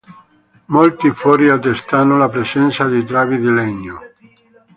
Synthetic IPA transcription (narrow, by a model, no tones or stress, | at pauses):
molt̪ifɔːɾiat̪ːest̪anolapɾesɛnt̪sad̪it̪̬ɾaːvid̪ilɛɲːo